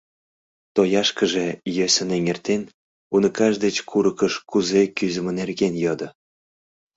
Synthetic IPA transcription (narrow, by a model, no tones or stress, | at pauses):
t̪ojɑʃkə̆ʒejøsʲə̆neŋert̪en | unɤ̆kɑʃd̪et͡ɕkʰuɾɤ̆kə̆ʃkuzekyzə̆mə̆nerɣenjɤd̪ɤ̆